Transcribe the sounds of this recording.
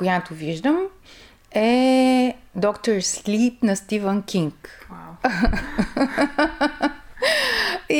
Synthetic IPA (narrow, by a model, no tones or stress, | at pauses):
kojat̪ʊviʒd̪əm | ɛ | d̪ɔkt̪oɾslip̚nɐst̪ivənkʲiŋk | i